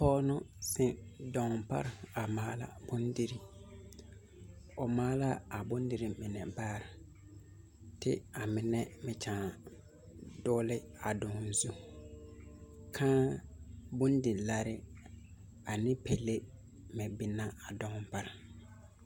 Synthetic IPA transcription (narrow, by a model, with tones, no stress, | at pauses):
pɔː˦nʊ˦sɪ̃˨dɔ˨ŋ˨mpa̰˦ɾa˨maː˨la̰˦bʊ˦ndi˦ɾi˨ | ʊ˨maː˦la˦a˨bʊ˦ndɪ˨ɾɪ˦mɪ˨nɛ˨baː˦˨ɾɪ˨ | tɪ˦a˨mɪ˨nɛ˦mɪ˨t͡ʃãː˨ | dʊː˦lɪ˦ | a˨dʊ˨ŋ˨n˨zu˦ | kʰãː˦ | bʊ˦ndɪ˨la˦ɾɪ˦ | a˨nɪ˦pʰe˨le˦ | mɪ˨bɪ˨na˦a˨dɔ˨ŋʊ˨m˦pa˦ɾɪ˨